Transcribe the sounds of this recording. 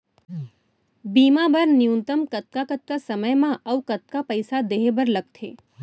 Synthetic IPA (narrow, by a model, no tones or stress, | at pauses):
biːmabɐɾnɪjũnt̪əmkɐt̪̚kakət̪̚kasɐməjmãʔɐʋkɐt̪̚kapəɪsad̪eːɦebəɾlɐɡ̚t̪ʰḛː